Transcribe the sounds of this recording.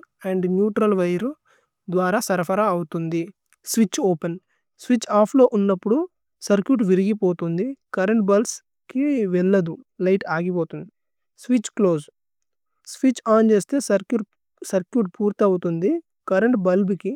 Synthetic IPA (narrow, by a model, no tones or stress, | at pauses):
ɐɳɖnjuːʈɾɐlʋɐjɐɾu | d̪ʋaːɾaːsɐɾɐpʰɐɾaɐwut̪und̪i | sʋit͡ʃːoːpen | sʋit͡ʃːaːpʰlo̞ːʔunːɐpːuɽu | sɐɾkjuːʈ̬ʋiɾiɡipo̞ːt̪und̪ikɐɾeɳʈ̚bɐls | kiʋɛɭːɐd̪ulɐjʈaːɡip̬oːt̪und̪i | sʋit͡ʃklo̞ːs | sʋit͡ʃaːnt͡ʃe̞ːst̪e̞ːsɐɾkju | sɐɾkjuʈ̚puːɾt̪iɐwut̪und̪i | kɐɾeɳʈbɐlbiki